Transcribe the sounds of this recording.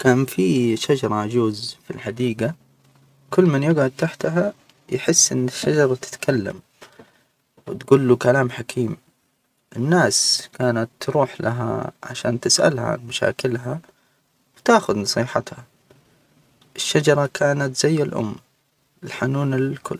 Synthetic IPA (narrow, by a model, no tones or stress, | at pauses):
kaːnfiʃad͡ʒɑɾˤɑʔad͡ʒuːzfilħad̪iːɡa | kʊlːmanjʊɡʕad̪̚t̪aħt̪ɦa | jħɪsːʔɪnːɪʃːad͡ʒɑɾˤɑt̪ɪ̥t̪kʰalːa̰m | wɪt̪ɡʊlːukalaːmħakʰiːm | ʔɪnːaːskaːnat̪ːɾuːħlaɦa̰ʕa̰ʃa̰ːnt̪ɪsʔa̰lha̰ʕa̰nmaʃa̰ːkɪlɦa | wt̪aːxʊd̪nɑsˤiːħat̪ha | ʔɪʃːad͡ʒɑɾˤɑkʰaːnat̪z̥ajːalʔʊ̰mː | ɪlħanuːnɪlkʰʊ̰lː